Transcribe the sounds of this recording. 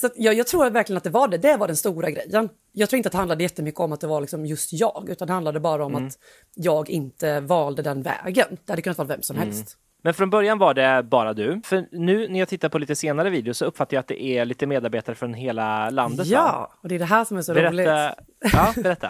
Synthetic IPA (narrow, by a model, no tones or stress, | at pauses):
sat̪jɑjɑːɡt̪ʰɾuːɾat̪væɾklɪənt̪d̪ɛvaɖɛd̪ɛvaɖɛnst̪uːɾaɡɾɛjːən | jɑːɡt̪ʰuːɪnt̪ɛhand̪lad̪əjɛt̪ːəmʏkːəɔmat̪̚d̪ɛvaɭɪksɔmjɵst̪jɑːɡʉ̟ːt̪and̪ɛhand̪ad̪əbɑːɾaɔmat̪ | jɑːɡɪnt̪əvɑːld̪əd̪ɛnvɛ̰ːɡənd̪ɛhad̪əkɵnat̪vɑːɾt̪vɛmsɔmhɛlst̪ | mɛnfɾɔnbœɾjanvaɖɛbɑːɾad̪ɵfœɾnʉ̟ːnæɾjat̪ʰɪt̪ːaɾpʰɔliːt̪əseːnaɾəviːd̪ɛɪʊsɔɵpːfat̪ːajat̪̚d̪ɛ̰ʔæɭiːt̪əmeːd̪aɾbeːt̪aɾəfɾɔnɦeːlaland̪ət̪ːɑːɔd̪ɛːɖɛɦæːʂɔmæʂɔɾɛɾɛːlɪ | ɑːbɛɾɛt̪ːa